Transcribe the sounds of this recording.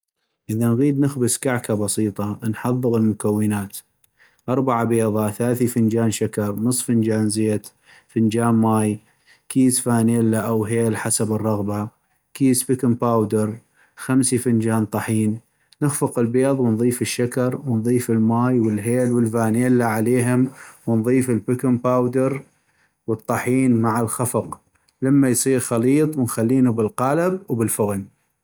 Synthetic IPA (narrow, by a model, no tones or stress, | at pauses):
ʔɪðanɣiːd̪nɪxbɪskaʕkabɑsˤiːt̪ˤɑnħɑðˤːɨɣəlmʊkawːɪnaːt̪ | ʔɑɾˤbaʕabeːðˤɑθalaːθifɪnd͡ʒaːnʃakɑɾˤnɨsˤːfənd͡ʒaːnzeːt̪ | fɪnd͡ʒaːnmaːj | kiːzfaːneːlːaʔawɦeːlħasabɨrˤːɑɣba | kiːzbikʊmpaːwd̪əɾˤ | xamsifɪnd͡ʒaːnt̪ˤɑħiːnː | ɪxfʊqɪlbeːðˤwənðˤiːfɪʃːakɑɾˤwənðˤiːfɪlmaːjwɪlɦeːlwəlfaːneːlːaʕaleːɦʊmwənðˤiːfɪlbɪkʊmpaːwd̪ɪɾ | wɨt̪ˤːɑħiːnmaʕalxafɑq | lamːajsˤiːɾxɑliːt̪ˤwɪnxalːiːnubɪlqɑːlabwbɪlfʊɣn